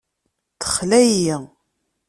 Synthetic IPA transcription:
θə̥χlæji

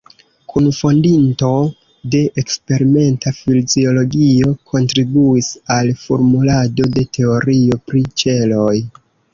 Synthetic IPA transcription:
kʰunfo̞ndinto̞ | de̞ʔekspe̞ɾime̞ntafilzio̞lo̞ɡio̞kʰo̞ntɾibuisalfo̞ɾmulado̞de̞tʰe̞o̞ɾio̞pɾit͡ʃe̞lo̞j

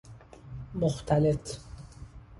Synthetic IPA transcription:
moxt̪ʰalet̪

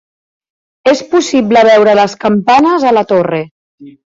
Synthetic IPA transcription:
espusiβləβ̞ɛwɾələskəmpanəzələt̪ore

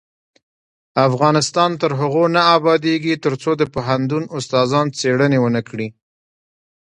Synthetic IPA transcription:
afɣɑnɪst̪ɑnt̪əɾɦaɣonaabɑd̪eɡit̪əɾt͡sod̪əpoɦant̪̬unʊst̪ɑzɑnt͡seɽənewənəkɽi

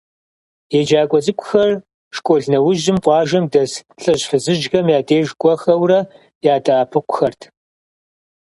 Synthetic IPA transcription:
jed͡ʒaːkʷʼɔzʼɨkʷʼʊxɐr | ʂkʷʼɔɮnɐwʊʒɪmqʷʼɑːʒɐmdɐsɬʼɐɕħɨzɨʒɣɐmjaːdeːʒɡʷʼɔxɐwrɐ | jaːdʼaːpʰɨqʷʊ̥xɐrtʰ

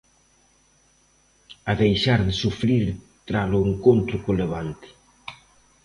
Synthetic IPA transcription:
aðejʃaɾðɪsufɾiɾ | t̪ɾalʊeŋkont̪ɾʊkoleβ̞ant̪ɪ̥

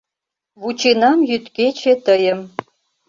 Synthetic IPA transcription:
βut͡ɕenɑmjyt̪ket͡ɕet̪əjə̆m

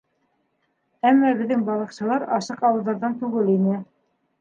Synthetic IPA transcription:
æmːɑbɘ̆ðːɘŋbɑlˠɤ̆qʃɤ̆lˠɑɾɑʃɤqɑwɤ̆lˠðɑɾðɑnt̪ʉɡɘlinɘ

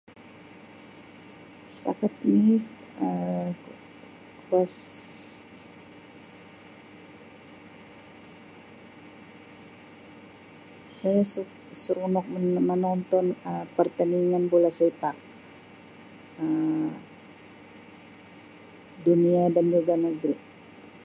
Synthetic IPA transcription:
sa̰kat̪̚ni | ə | kas | sajasu | suɾunɔk̚mənɔnt̪ɔnəpərt̪aniŋanbolasepak̚ | ə | duniadand͡ʒuɡanəɡɾi

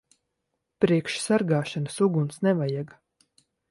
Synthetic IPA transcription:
pɾiɛkʃsaɾɡaːʃanɨsuɡunsnɛvajaɡ

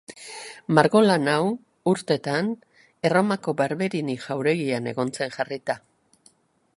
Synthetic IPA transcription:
maɾɣo̞lanaw | uɾt̪e̞t̪an | e̞ro̞mako̞baɾβe̞ɾiniʝawɾe̞ɣiane̞ɣo̞nt͡se̞ŋʝarit̪a

